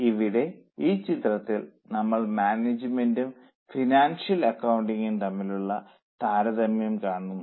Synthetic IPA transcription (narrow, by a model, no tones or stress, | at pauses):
iʋiɽe̞iːt͡ɕit̪rɐt̪ːilnɐmːɐɭmaːned͡ʑɨmendum | finaːnʂjɐlɐkːɐwuɳɖiŋɡint̪ɐmːiluɭːɐ | t̪aːɾɐðɐmjɐmkaːɳunːu